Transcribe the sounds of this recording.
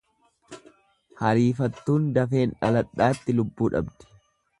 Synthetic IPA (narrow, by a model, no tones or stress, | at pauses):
hɐɾiːfɐt̪ːuːnd̪ɐfe̞ːnᶑɐlɐᶑːaːt̪ːɪlʊbːuːᶑɐ̰bd̪ɛ̥